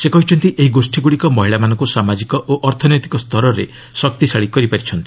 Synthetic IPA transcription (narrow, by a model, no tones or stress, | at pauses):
sekɔɦit͡ʃʰɔnt̪iʔeɦiɡosʈiɡuɽikɔmɔɦiɭamanɔŋkusamad͡ʒikɔʔoʔɔɾt̪ʰɔnjɔt̪i̥kɔst̪ʰɔɾɔɾḛ | sɔkt̪isaɭikɔɾipaɾit͡ʃʰɔnt̪i̥